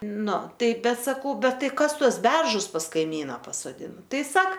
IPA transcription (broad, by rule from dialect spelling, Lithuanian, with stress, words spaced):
ˈnʊ ˈtɐɪ ˈbʲɛt sɐˈkɐʊ ˈbʲɛt ˈtɐɪ ˈkɐs ˈtuɔs ˈbʲɛrʒʊs pɐs kɐɪˈmʲiːnɐ pɐsoːˈdʲɪnɐ ˈtɐɪ ˈsɐk